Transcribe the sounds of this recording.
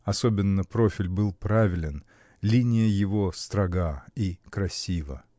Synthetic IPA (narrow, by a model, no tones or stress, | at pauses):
ɐsobʲɪnːəpɾo̞fʲɪlʲbɨlˠpɾavʲɪlʲɪn | lʲinʲɪjəjɪvost̪ɾɐɡaikɾɐsʲivə̰